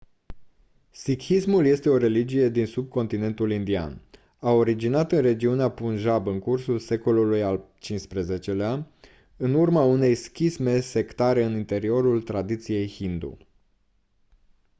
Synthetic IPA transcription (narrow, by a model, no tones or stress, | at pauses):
sikismulje̞st̪e̞o̞ɾe̞lid͡ʒije̞d̪insub̚ko̞nt̪ine̞nt̪ulind̪ia̰n | ao̞ɾid͡ʒinat̪ɨnre̞d͡ʒiuneapunʒabɨŋkursulse̞ko̞lulujalt͡ʃinspɾeze̞t͡ʃe̞lea | ɨnurmaune̞jskʲisme̞se̞kt̪aɾe̞ɨnint̪e̞ɾio̞ɾult̪ɾad̪it̪sije̞jhind̪ṵ